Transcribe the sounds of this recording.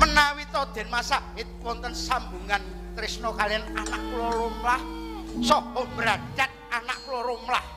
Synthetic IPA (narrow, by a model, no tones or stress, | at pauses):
mənawit̪ɔd̪̥ɛ̤nmasa | et̪wɔnt̪ənsambuŋan | t̪ɾɪsnɔkaliananaʔkulɔɾomlahsɔombɾadat̪̚anaʔkulɔɾomlah